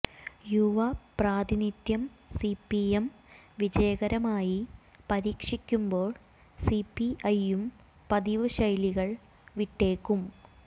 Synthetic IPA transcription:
juʋɐpraːd̪init̪jɐmsipːiemʋid͡ʑɐjɐɣɐɾɐmaːji | pɐɾiːkʂikʲːumbo̞ːɭ | sipːiɐjum | pɐd̪iʋɨɕɐjliɣɐɭ | ʋiʈːe̞ːkːum

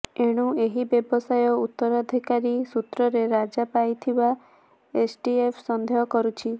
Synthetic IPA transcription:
eɽ̃ueɦibjɔbɔsajɔut̪ːɔɾad̪ʱikaɾisut̪ɾɔɾeɾad͡ʒapajt̪ʰiba | esʈiepʰsɔnd̪ʱeɦɔkɔɾut͡ʃʰi

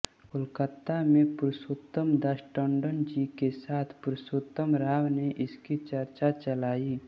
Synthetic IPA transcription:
ʊlkət̪ːamẽpʊɾsoːt̪ːəmd̪aʃʈɔ̃ːɳɖənd͡ʒikesaːt̪ʰpʊɾsʊt̪ːəmɾaːʋneʔɪskit͡ʃɐɾt͡ʃat͡ʃəlaːiː

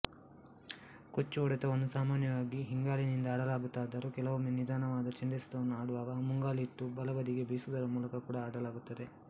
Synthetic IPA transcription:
kot͡ʃːuɔɽɛt̪ɐʋɐnːusaːmaːnjɐʋaːɡiɦiŋɡaːlinind̪ɐːɽɐlaːɡut̪ːaːd̪ɐɾukɛlɐʋumnid̪aːɳɐʋaːd̪ɐt͡ʃeɳɖeːsɐ̥t̪ɐʋɐnːuaːɽuʋaːɡɐmuŋɡaːliːʈːubɐlɐʋɐd̪iɡe̞bʱiːsud̪ɐɾɐmuːlɐkɐkuːɽɐːɽɐlaːɡut̪ːɐd̪e̞

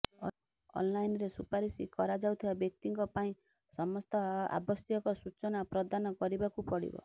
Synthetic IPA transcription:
ɔ̰nlajnɾesupaɾisikɔɾad͡ʒawt̪ʰibabjɔk̚t̪iŋkɔpaĩ | sɔmɔst̪ɔa̰bɔsjɔkɔsut͡ʃɔnapɾɔd̪anɔkɔɾibakupɔɽḭbɔ̰

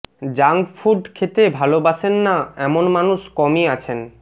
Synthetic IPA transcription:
d͡ʑaŋɡfuɾɖkʰet̪ebʱalobaʃenːaɛmonmanuʃkɔmiat͡ɕʰen

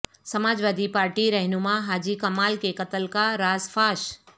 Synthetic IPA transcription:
sɐmaːd͡ʒʋaːd̪ʱipaːɾʈiɾɛɦnumãɦaːd͡ʒikɐmaːlkekɐt̪əlkaɾaːzfʰaːʃ

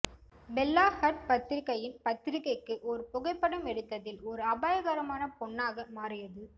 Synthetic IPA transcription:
bɛlːaːhɐʈ̚pɐt̪ːɪɾɪkːɐjɪnpɐt̪ːɪɾɪkːɐɪkːɯʔɔɾɯpʊɣɐɪpːɐɽɐmɛɽɯt̪ːɐðɪlɔɾɯɐbaːjɐɣaːɾɐmaːnɐpɔɳːaːɣɐmaːrɪjɐðɯ

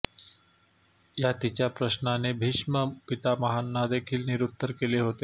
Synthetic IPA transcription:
jat̪it͡ɕjapɾəɕnanebʱiʂməpit̪aməɦanːad̪ekʰiːlniɾut̪ːəɾkeleɦot̪e

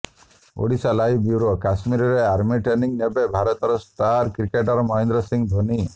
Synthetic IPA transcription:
o̰ɽisalaɦibiwɾokasmiɾɔɾeaɾmiʈeniŋnebebʱaɾɔt̪ɔɾɔsʈaɾkɾikeʈɔɾɔmɔind̪ɾɔsiŋb̪ʱoni

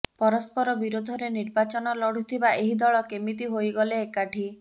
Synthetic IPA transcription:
pɔɾɔspɔɾɔbiɾod̪ʱɔɾeniɾbat͡ʃɔnɔlɔɽ̤ut̪ʰibaeɦid̪ɔɭɔkemit̪̬iɦojɡɔleːkaʈʰi

